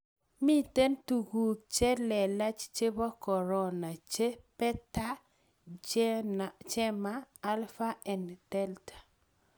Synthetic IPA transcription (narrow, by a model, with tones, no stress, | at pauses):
mi˦te˦ntu˨ɡu˨t͡ʃe˦lɛ˨la˦t͡ʃt͡ʃe˦bɔ˦kɔ˨ɾɔ˦na˨t͡ʃe˦pɛ˦ta˦ | t͡ʃɛ˦maː˦lfa˦ɛ˨ndɛ˦ltḁ˨